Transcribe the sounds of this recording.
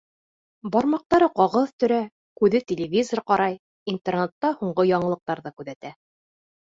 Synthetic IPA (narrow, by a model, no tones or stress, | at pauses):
bɒɾmɑq̚t̪ɑɾɤqɑʁɤðt̪ɵ̆ɾæ | kʉðɘt̪ʲɪlʲɪvʲizorqɑɾɑj | int̪ernet̪ːɑhuɴɢɤjɑɴɤ̆lˠɤ̆q̚t̪ɑɾðɤkʉðæt̪æ